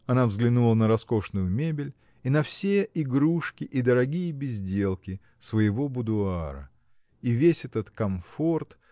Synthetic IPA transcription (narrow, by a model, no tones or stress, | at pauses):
ɐnavzɡlʲɪnulˠənəɾɐsko̞ʂnʊjʊmʲebʲɪlʲ | inɐfsʲeɪɡɾuʂkʲɪʔid̪əɾɐɡʲijəbʲɪzʲdʲe̞lˠkʲɪ | svəjɪvo̞bʊd̪ʊaaɾə̰ | ivʲesʲɛt̪ət̪kɐmfo̞rt̪